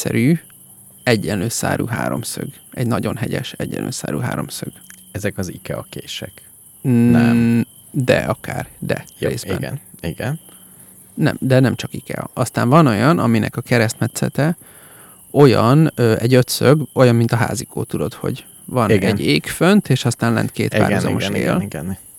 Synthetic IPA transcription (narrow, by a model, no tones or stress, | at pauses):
sɛɾyː | ɛɟːɛnløːsa̰ːɾʔṵːɦa̰ːɾo̞msø̰ɡ | ɛɟnɒɟo̞nɦɛɟɛ̰ʃɛɟːɛ̰nlʔø̰ːsa̰ːɾṵːɦa̰ːɾo̞̰msøɡ̥ | ɛzɛkɒzikɛɒkeːʃɛk̪ | ɛ | d̪ɛ̰ɒkʰaːrd̪ɛ̰reːzinɛ̰niɡɛn | nɛmd̪ɛnɛmt͡ʃɒkikɛɒst̪aːɱvɒno̞jɒnɒminʔɛkɒkɛɾɛst̪mɛt̪sɛt̪ɛ | o̞jɒnøɛɟø̞t̪søɡo̞jɒmːint̪ɒɦa̰ːzikʰoːt̪ud̪o̞t̪ho̞̰ɟ | vɒniɡɛnɟeːkfønt̪eːʃɒst̪aːnlɛ̰nt̪keːt̪ːa̰ːɾuzzɒ̰moʃeːlɡn